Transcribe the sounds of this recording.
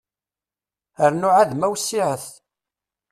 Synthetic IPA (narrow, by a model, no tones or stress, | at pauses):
əɾnʊʕaðmæwsːiʕəθ